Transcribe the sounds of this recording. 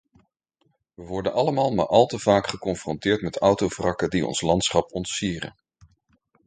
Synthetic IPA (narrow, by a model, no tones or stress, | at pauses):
ʋəʋɔɹdənʔɑləmaːlˠma̰ɹʔɑlˠtəv̥aːkχəkɔnfrɔntɪːɹtmɛtɔwtowvrɑkədiɔ̰nslɑntsχɑpɔntsiːrə̰n